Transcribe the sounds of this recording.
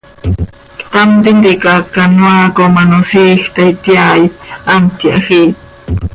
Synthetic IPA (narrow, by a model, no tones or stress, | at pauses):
t̪ant̪ind̪ikakanwaːkomanosiːxt̪ajt̪jaːjant̪jaʔxi